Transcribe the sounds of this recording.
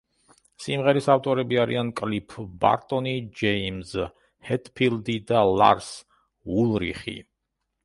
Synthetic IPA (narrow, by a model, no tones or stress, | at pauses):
simʁɛɾisaft̪ʼɔɾɛbiaɾḭankʼlipʰba̰ɾt̪ʼɔnid͡ʒɛimz | hɛt̪ʼpʰild̪id̪alˠa̰ɾs | ulˠɾḭχḭ